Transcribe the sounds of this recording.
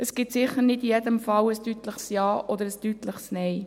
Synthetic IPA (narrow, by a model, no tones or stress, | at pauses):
əsɡ̥ɪt̪sɪχəɾnɪdijɛdəmfɑwəstyt̪ləχsjɑːʔɔd̪əɾəstytləχsnɛj